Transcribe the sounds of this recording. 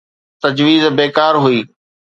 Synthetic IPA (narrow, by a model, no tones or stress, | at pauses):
t̪ɐd͡ʑʋiːzbeːkaːɾɦʊiː